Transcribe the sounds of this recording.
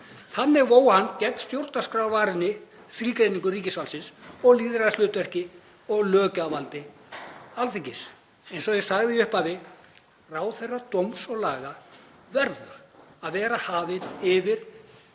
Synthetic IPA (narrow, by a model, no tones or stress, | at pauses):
θanːɪɾvoːwhanːcɛt̪n̥st̪jowɾt̪naskɾaːwvaːɾɪnːɪ | fɾiːkɾejniŋkʏriːcɪsfawlsɪnsɔɣliːðɾaslʏːt̪vɛr̥cɪ | ɔɣlœːcavalt̪ɪ | alθɪŋcɪs | ejnsɔɣjɛɣsaɣðɪiʏhpaðɪ | raːwθejrːat̪owmsɔɣlaːɣa | vɛɾðaaðvɛːɾahaːvɪnɪvɪɾ̥